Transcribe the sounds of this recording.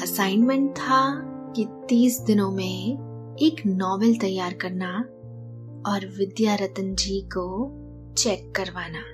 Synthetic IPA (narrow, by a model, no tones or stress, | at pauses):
ɐsaːɪnmə̃ɳʈ̚t̪ʰa | kit̪iːsd̪ɪnõmẽ | eːknɔːʋəlt̪ɐjːaːɾkɐɾna | ɔːɾʋɪd̪jaɾət̪ənd͡ʒiːko | t͡ʃɛːkːɐɾʋaːnaː